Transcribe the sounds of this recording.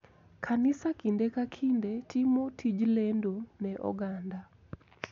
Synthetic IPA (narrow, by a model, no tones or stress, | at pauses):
kʰanisakindekakʰindetʰimotʰid͡ʒlendonɛʔɔ̰ɡanda